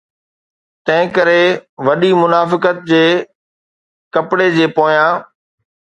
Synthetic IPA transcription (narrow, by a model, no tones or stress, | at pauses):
t̪ɐ̃ɦɪ̃kəɾeʋɐɗimʊnaːfɪkət̪̚d͡ʑeː | kɐpɽed͡ʑeːpoːjãː